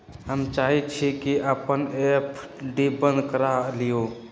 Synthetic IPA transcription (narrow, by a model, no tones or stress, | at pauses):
həmt͡ʃaːɦit̪̚t͡ʃʰikiʔəpənepʰ | ɖibə̃nd̪kəɾalijo